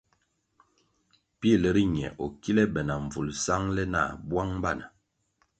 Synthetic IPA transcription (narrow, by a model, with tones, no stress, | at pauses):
pi˦˨lə˨ɾi˦ɲ˨ɛ̰˨ʔɔ˨ki˦lɛ˦bɛ˨na˨ɱ˨vu˨lsa˦ŋlɛ˦na̰˦˨bwa˦ŋm˦ba˦˨na˨